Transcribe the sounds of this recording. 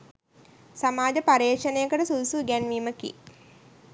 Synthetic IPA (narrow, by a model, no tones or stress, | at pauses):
samaːd͡ʒəpaɾeːkʂənejəkəʈəsulusuɡænʋiːməkḭ